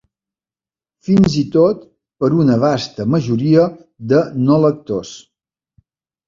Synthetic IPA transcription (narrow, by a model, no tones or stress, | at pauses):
finzit̪ot̪ | pəɾunəβ̞ast̪əməʒuɾiə | ðənolək̚t̪os